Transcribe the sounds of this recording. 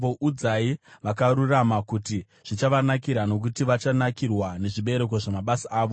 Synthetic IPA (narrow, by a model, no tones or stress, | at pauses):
oʔud͡zaiʋakaɾuramakuti | ʐ̥it͡ʃaʋanakiɾano̞k̬utiʋat͡ʃanakirwane̞ʐiɓe̞ɾe̞k̬o̞ʐamaɓasaaːʋo